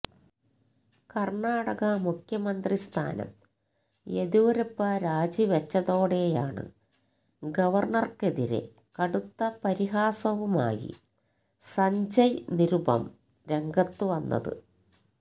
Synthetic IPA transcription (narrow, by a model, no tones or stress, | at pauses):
kɐrɳaːɽɐɣɐmukʰjɐmɐnd̪rist̪ʰa̰ːnɐ̰m | eðiʋɐɾɐpːɐɾaːd͡ʑiʋɐt͡ɕːɐðo̞ːɽejaːɳɨ̰ | ɡɐʋɐrɳɐrke̞ðiɾḛ | kɐɽut̪ːɐpɐɾiɦaːsɐʋuma̰ːjḭ | sɐɲd͡ʑɐjniɾubɐ̰m | ɾe̞ŋɡɐt̪ːuʋɐnːɐ̰ðɨ̰